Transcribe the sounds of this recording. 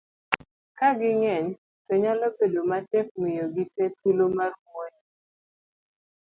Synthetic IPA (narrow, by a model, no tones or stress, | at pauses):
kaɡɪŋɛɲ | tɔɲalɔbedomatɛk̚mɪjoɡitɛtulomarwoɲ